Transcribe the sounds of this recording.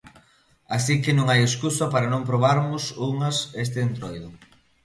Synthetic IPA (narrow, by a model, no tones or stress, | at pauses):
asikɪnũŋajeskusɐpaɾanõmpɾoβ̞aɾmʊsuŋɐses̬t̪eent̪ɾojðʊ